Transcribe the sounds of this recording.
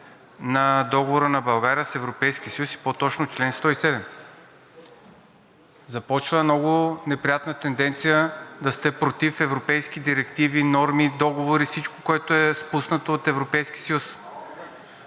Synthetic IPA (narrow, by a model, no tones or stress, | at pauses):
nɐd̪ɔɡovoɾənɐbɐlˠɡaɾiəsɛvɾopɛjsk̟isɐjusi̥pot̪ɔt͡ʃnot͡ʃlɛnst̪ɔisɛd̪ɛm | zɐpɔt͡ʃvəmnɔɡʊnɛpɾijat̪nət̪ɛnd̪ɛnt̪sijəd̪ɐst̪ɛpɾot̪ifɛvɾopɛjskid̪iɾɛkt̪ivinɔɾmid̪ɔɡovoɾifsit͡ʃko̥koɛt̪oɛspusnət̪oːt̪ɛvɾopɛjskʲi̥sɐjus